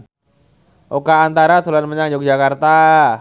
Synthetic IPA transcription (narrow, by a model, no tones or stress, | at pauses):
ʔokaːnt̪aɾat̪ulanməɲaŋd͡ʒɔk̚d͡ʒakart̪a